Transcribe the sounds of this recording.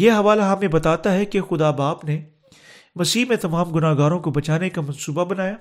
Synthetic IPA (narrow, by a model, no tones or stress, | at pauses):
jeːɦɐʋaːlɦɐmẽbɐt̪aːt̪aɦɛkexʊd̪aːbaːbne | mɐsiːmẽt̪ɐmaːmɡʊnaːɦɡaːɾõkobɐt͡ʃaːnekamɐ̃nsuːbabɐnaːjaː